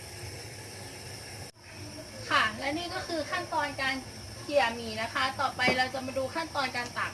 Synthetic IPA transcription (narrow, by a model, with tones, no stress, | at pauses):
kʰaː˨˩ŋlɛ˦˥niː˥˩kɔː˥˩kʰɯː˧kʰa˥˩nt̪ɔː˧nkaː˧n | ki˨˩əmiː˨˩na˦˥kʰa˦˥t̪ɔː˨˩pa˧jɾa˧wt͡ɕa˨˩maː˧duː˧kʰa˥˩nt̪ɔː˧nkaː˧nt̪a˨˩